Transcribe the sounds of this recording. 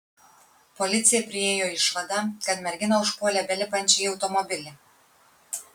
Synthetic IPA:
pɔlʲɪt̪sʲɪjɛpʲɾʲɪeːjoɪʃʋɐd̪ɐkɐt̪mʲɛɾʲɡʲɪnɐʊʃpoːlʲɛbʲɛlʲɪpɐnʲt͡ʃʲɛjɒʊt̪ɔmɔbʲɪlʲɪ

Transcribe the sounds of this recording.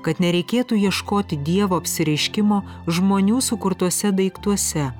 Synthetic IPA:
kɐt̪nʲɛɾʲɛɪkʲeːt̪uːjiɛʃkoːt̪ʲɪd̪ʲiɛʋoːɐpʲsʲɪɾʲɛɪʃʲkʲɪmoː | ʒmoːnʲuːsʊkʊɾt̪uɔsʲɛd̪ɐɪkt̪uɔsʲɛ

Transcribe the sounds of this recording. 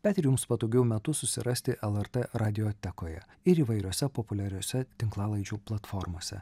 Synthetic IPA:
bʲɛːt̪ʲɪɾʲjʊmspɐd̪oʊɡʲɛʊmʲɛt̪ʊsʊsʲɪ̰ɾɐsʲt̪ʲɪʔɛlˠɛɾt̪ɛɾɑːd̪ʲɪjoːt̪ʲɛkoːjɛ̰ | ɪɾiːʋɐɪɾʲoːsʲɛpopʊlʲɛɾʲoːsʲɛt̪ʲɪŋklˠɑːlˠɐɪd͡ʒʲuːplˠɐt̪fɔɾmoːsʲɛ̰

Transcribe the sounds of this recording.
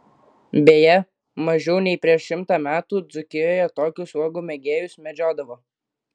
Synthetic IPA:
bʲeːjɛ | mɐʒʲɛʊnʲɛɪpʲɾʲiɛʃʃʲɪmt̪ɑːmʲæːt̪uːd̪zʊkʲɪjoːjɛt̪oːkʲʊsuɔɡʊːmʲɛɡʲeːjʊsmʲɛd͡ʒʲoːd̪ɐʋoː

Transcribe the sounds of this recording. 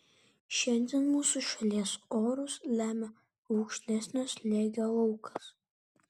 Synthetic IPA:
ʃɛnʲdʲɛnmuːsuʃɐlʲiːsoːɾʊslʲæːmʲɛ | ukʃʲlʲɛsʲnʲɛslʲeːɡʲɐlˠɐwkʰɐ̥s

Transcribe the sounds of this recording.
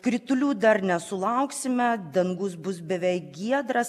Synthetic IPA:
kɾʲɪt̪ʊlʲuːd̪ɐɾnʲɛsʊlˠɐʊksʲɪmʲɛd̪ɐŋɡʊsbʊs̬bʲɛʋʲɛɪkɡʲiɛd̪ɾɐs

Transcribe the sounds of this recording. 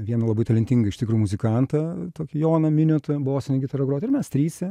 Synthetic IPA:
ʋʲiɛnɐlˠɐbɐɪt̪ɐlʲɛnʲt̪ʲɪŋɡɐɪʃt̪ʲɪkɾuːjʊmʊzʲɪkɑnt̪ɐt̪oːkʲɪjoːnɐmʲɪnʲʊt̪ɐboːsʲɪnʲɪɡʲɪt̪ɐɾɐɡɾoɔːt̪ɪɾmʲɛst̪ʲɾʲiːsʲɛ

